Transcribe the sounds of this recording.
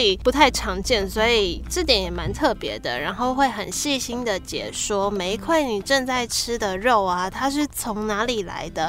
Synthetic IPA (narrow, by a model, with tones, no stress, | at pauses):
i˨˩pu˧˥t̪ʰa˥˩ɪʈ͡ʂʰɑ˧˥ŋt͡ɕjɛ˥˩nswɔ˧˥i˨˩ʈ͡ʂɤ˥˩t̪jɛ˨˥njɛ˨˩ma˧˥nt̪ʰɤ˥˩pjɛ̰˧˥d̪ə̰˨ɻa˧˥nxo˥˧ʊxwe˥˩ɪxə˨˩nɕi˥˧ɕi˥nd̪ə˨t͡ɕjɛ̰˨˩ʂwɔ˥me˧˥ɪkʰwe˥˩ɪni˨˩ʈ͡ʂə˥˧ŋt͡sa˥˩ɪʈ͡ʂ̩ʰ˥d̪ə˨ɻo˥˩ʊa˨t̪ʰa˥ʂ̬ɻ̩˥˩t͡sʰo˧˥ŋna˧˥li˨˩la̰˧˥˦ɪd̪ə˧